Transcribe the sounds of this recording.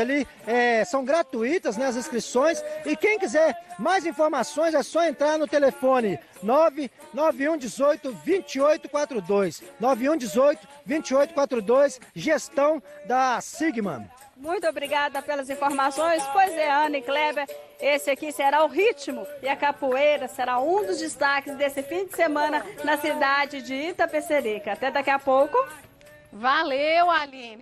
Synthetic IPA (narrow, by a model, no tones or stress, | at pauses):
ali | ɛsɐ̃w̃ɡɾat̪uit̪ɐznɛɐzẽskɾisõj̃sɪkẽj̃kizɛɾmajzĩfoɾmasõj̃zɛsɔẽnt̪ɾaɾnʊt̪elefõnɪ | nɔvɪ | nɔviũd͡ʒɪzojt̪ʊvĩt͡ʃiojt̪ʊkwat̪ɾʊd̪ojsnɔvɪũd͡ʒɪzojt̪ʊ̥ | vĩt͡ʃiojt̪ʊ̥kwat̪ɾʊd̪ojsʒest̪ɐ̃w̃d̪ɐsiɡmɐ̰̃ | mũj̃t̪ʊobɾiɡad̪ɐpelɐzĩfoɾmasõj̃spojzɛɐ̃nɪklɛbeɾesɪakiseɾaʊɦit͡ʃimʊɪɐkapuejɾɐseɾaũd̪ʊzd͡ʒɪst̪akɪzd̪esɪfĩd͡ʒɪsemɐ̃nɐnɐsid̪ad͡ʒɪd͡ʒɪit̪ɐpeseɾikɐat̪ɛd̪ɐkiɐpowkʊ | valewalĩ